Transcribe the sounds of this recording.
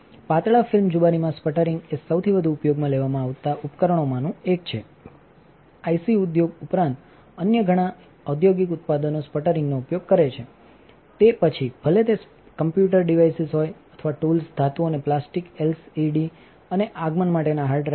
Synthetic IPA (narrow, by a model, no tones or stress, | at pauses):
pat̪ɭafɪlmd͡ʒubanimãspəʈəɾɪŋɡesəwt̪ʰibəd̪ʱuːpjoɡmãleʋamãaʋt̪aʔupkəɾəɳ̃omãnũek̚t͡ʃʰḛ | ajsiud̪joɡupɾãnt̪ | ənjəɡʱəɽ̃ã | əd̪joɡikʊt̪̚pad̪ənospəʈəɾɪŋɡnoupjoɡ̚kəɾet͡ʃʰe | t̪epət͡ʃʰib̥ʱəlet̪e | kəmpjuʈəɾɖiʋajsizɦojət̪ʰəʋaʈulsd̪ʱat̪uoneplasʈikelsiɖi | əneʔaɡmənmaʈenaɦaɾɖɾ